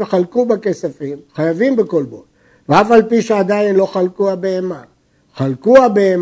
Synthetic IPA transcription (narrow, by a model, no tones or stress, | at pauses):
veχalkubake̞safimχajavimbeko̞lbol | veafalpiʃead̪ajinlo̞χalkuabeema | χalkuabeem